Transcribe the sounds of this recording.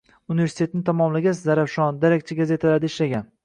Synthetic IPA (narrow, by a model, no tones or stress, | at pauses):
unɪve̞ɾsɪ̥t̪e̞t̪ɪnɪt̪ʰamɒmlɪɡʲazaɾafʃɒnd̪aɾak̚ʲt͡ʃʰaɡaze̞t̪ʰalaɾd̪aɪʃlaɡʲan